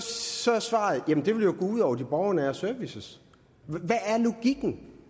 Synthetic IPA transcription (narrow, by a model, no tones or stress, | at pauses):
sɒsʋɑ̈ð̩ˠjæmn̩d̥e̝ʋe̝ljoɡ̥ɔːuð̞̰ˠɒʊɐd̥ib̥ɒʊɐnəæsøɐʋisəs | ʋæʔæɐlo̝ɡ̥iɡ̥n̩